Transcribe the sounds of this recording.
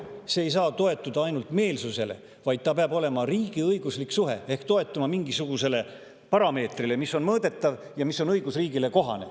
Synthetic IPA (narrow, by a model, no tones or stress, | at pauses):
seːjs̬ɑːt̪o̞e̞t̪ːˑud̪̥ɑɑjnult̪ˑme̞ːlsuse̞le̞̰ | vɑjd̪̥̚t̪ɑpeɑbo̞le̞mɑriːɡ̥iɤjɡ̥usliksuɦe̞̰e̞hkt̪o̞e̞t̪ːˑumɑmiŋɡ̥isuɡ̥use̞le̞ | pɑɾɑme̞ːt̪rile̞misːo̞nmɤːd̪̥e̞t̪ːˑɑv | jɑmisːo̞nɤjɡ̥usriːɡ̥ile̞ko̞ɦɑ̰ne̞̰